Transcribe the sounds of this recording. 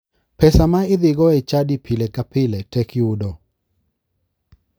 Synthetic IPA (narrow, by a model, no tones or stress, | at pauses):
pɛsamaɪd̪ɪɡɔɛt͡ʃadipʰilɛkapɪlɛtɛkɪudɔ